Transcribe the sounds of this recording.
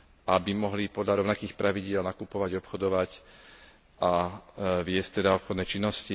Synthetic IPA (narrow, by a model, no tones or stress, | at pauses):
ʔabimɔɦlipɔd̪lʎaɾɔʊnakiːxpɾʔaʋiɟɪɛlnakupɔʋaɟɔpxɔd̪ɔʋac | ʔa | ʋɪɛsct̪ɛd̪aɔpxɔd̪nɛt͡ʃinːɔsci